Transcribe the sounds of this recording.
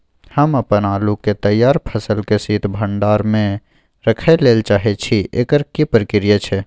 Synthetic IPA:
həməpənaːluket̪əjːaːɾpʰəsəlkesiːt̪bʱə̃ɳɖaːɾmẽ | ɾəkʰeleːlt͡ʃaːɦet͡ʃʰiʔḛːkəɾkipɾəkɪɾijət͡ʃʰe

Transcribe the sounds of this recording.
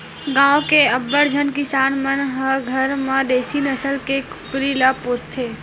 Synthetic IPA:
ɡãːwkeəbːəɽd͡ʒʱənkɪsaːnmənɦəɡʱəɾmãd̪eːsinəsəlkekʊ̥pɾilapost̪ʰeː

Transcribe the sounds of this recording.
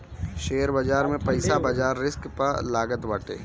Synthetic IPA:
ʃeːəɾbɐd͡ʒaːɾmẽpɐɪsabɐd͡ʒaːɾːɪskpɐɾlaːɡət̪ʋɐʈḛː

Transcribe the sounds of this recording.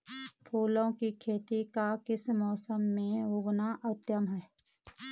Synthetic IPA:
pʰuːlõkikʰeːt̪ikakɪsmɔːsəmːẽɦʊɡnaʔət̪jəmɦɛː

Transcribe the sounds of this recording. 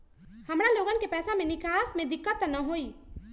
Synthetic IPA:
həmɾaloɡənkepɛːsamenikasmed̪ikːət̪ːnəɦoi

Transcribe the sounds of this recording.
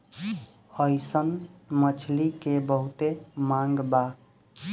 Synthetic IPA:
əjsənmət͡ʃʰlikebəɦut̪emaŋɡba

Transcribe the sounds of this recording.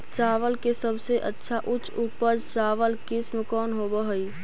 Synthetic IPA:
t͡ʃaːʋəlkesəbseʔətːʃʰaʔʊt͡ʃʰuːpəɾt͡ʃaːʋəlkɪsmkɔːnɦoːbəɦəi

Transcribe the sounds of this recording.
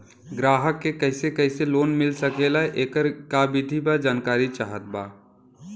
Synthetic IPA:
ɡɾaːɦəkːekəɪsekəːseloːnmɪlsəkeːlaʔeːkəɾkabɪd̪ʱibad͡ʒaːnkaːɾit͡ʃaːɦət̪̚baː

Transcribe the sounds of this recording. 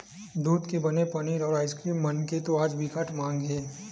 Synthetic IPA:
d̪uːd̪kebɐnepɐniːɾɔːɾaːɪskɾiːmːənket̪oaːd͡ʒbʱɪkaʈmãːŋɡẽː

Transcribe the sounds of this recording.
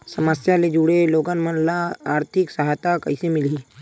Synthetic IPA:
səməsjaled͡ʒuɽeloːɡənmənlaaːɾt̪ʰɪksəɦat̪akɐ̰ɪsemɪliː

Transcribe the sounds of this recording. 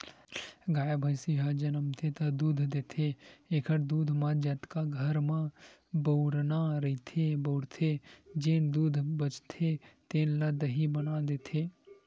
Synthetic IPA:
ɡaːjbʱəjsiɦad͡ʒɐnəmt̪ʰet̪ɐd̪uːd̪ʱd̪eːt̪ʰeeːkʰəɾd̪uːd̪ʱmãd͡ʒɐt̪kaɡʱəɾmã | bəʊɾnaɾəit̪ʰebəʊɽt̪ʰed͡ʒeːnd̪uːd̪ʱbət͡ʃt̪ʰet̪eːnləd̪ɦibənad̪eːt̪ʰeː

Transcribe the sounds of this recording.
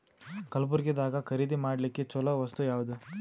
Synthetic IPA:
kɐlp̬uɾɡid̪aːɡɐkʰɐɾiːd̪imaːɽlikːet͡ʃɔlɐʋɐst̪ujaːʋud̪u

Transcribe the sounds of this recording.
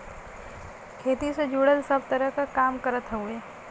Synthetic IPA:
kʰeːt̪ised͡ʒuːɽəlsɐb̚t̪əɾəɦkakaːmkəɾət̪ɦueː

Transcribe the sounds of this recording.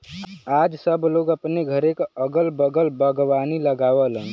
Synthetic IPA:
ad͡ʒsəbloːɡəpneɡʱəɾekəɡəlbəɡəlbəɡʋaniləɡaːʋələn

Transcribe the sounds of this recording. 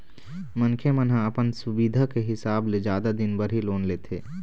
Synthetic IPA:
mənkʰemənɦãɐpənsʊbiːd̪ʱakeɦɪsaːbled͡ʒjaːd̪ad̪ɪnbɐɾɦiloːnleːt̪ʰeː

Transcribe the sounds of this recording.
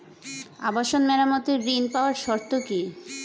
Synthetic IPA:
abaʃonmɛɾamot̪eɾɾinpaoaɾʃɔɾt̪oki

